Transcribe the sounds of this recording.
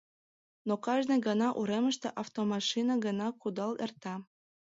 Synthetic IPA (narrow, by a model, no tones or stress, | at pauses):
nokɑʒneɡənɑʔuɾeməʃt̪eʔɑft̪omɑʃinɑɡənɑkud̪ɑlḛrt̪ɑ